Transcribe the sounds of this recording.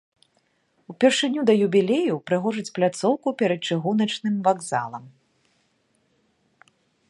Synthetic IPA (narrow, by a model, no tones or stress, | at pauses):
upʲɛrʂɨnʲud̪ɐjubʲilʲejupɾɨɣɔʐɨt͡sʲplʲat̪sɔwkupʲɛɾɐt̪̚t͡ʂɨɣunɐt͡ʂnɨmvaɡza̰lˠɐm